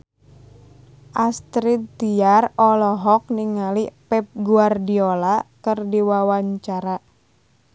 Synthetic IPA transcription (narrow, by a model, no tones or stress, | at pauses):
ʔast̪ɾit̪t̪iarɔlɔɦɔk̚niŋalipɛp̚ɡuardiolakɨrdiwawaɲt͡ʃaɾa